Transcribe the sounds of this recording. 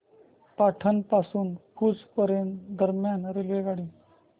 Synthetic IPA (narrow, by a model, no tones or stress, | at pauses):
paʈʰənpasuːnkʰuːt͡spəɾjend̪əɾmjanɾelʋeɡaɽi